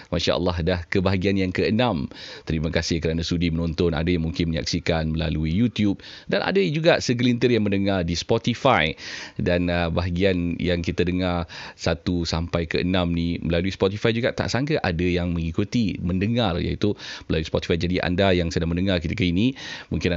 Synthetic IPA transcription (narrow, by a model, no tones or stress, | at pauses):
maʃa̰ʔə̰lːaɦdahkəbaɦaɡianjaŋkəənãmt̪əɾimakasɪhkəɾanãst̪udimənõnt̪ɔna̰dajaŋmuŋkɪnməɲa̰k̚sikanməla̰luijut̪jup̚ | danʔa̰dəd͡ʒuɡaʔsəɡəlint̪ərjaŋmə̃ndəŋardispɔt̪ifajdanəbaɦaɡianjaŋkit̪ədəŋarsat̪usampajkəʔə̰nãmnĩməlaluispɔt̪ifajd͡ʒuɡaʔt̪a̰ʔsaŋkaʔadəjaŋmə̃ŋikut̪iməndəŋarja̰ḭt̪umməlaluispɔt̪i̥fajd͡ʒadiʔa̰ndajaŋsədaŋmə̃ndəŋarkit̪ikainĩmuŋkɪn